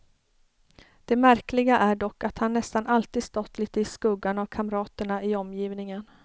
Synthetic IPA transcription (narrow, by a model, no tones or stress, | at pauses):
d̪̥ɛmæɾklɪɡaʔæɖɔkːat̪hanːɛst̪anʔalt̪iːd̪st̪ɔt̪ːliːt̪əɪskɵɡːanavkʰamɾɑːt̪əɳaʔɪɔmːjiːvnɪŋən